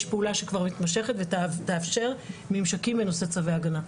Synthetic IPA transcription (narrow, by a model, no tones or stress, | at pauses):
ʃpeulaʃekvaʁmit̪maʃe̞χet̪vett̪eafʃe̞ʁmimʃakimenoset͡saveaɡana